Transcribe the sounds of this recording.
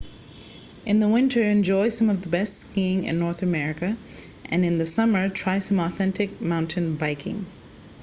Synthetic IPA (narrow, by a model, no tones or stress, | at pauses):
ʔɨ̃nðəwɪ̃ntʰə˞ɨ̃nd͡ʒɔɪ̥sʌ̃mʌvðəbɛstskiɪ̃ŋɪ̰̃nːɔɹθɨmɛɹɪkɨ | ʔɨ̃nɨ̃nðɨsʌmə˞tʰɹ̥aɪsʌ̃mɔθɛ̃ntʰɪk̚mãʊ̃ntʰɨ̃nbeɪkʰɪ̰̃ŋ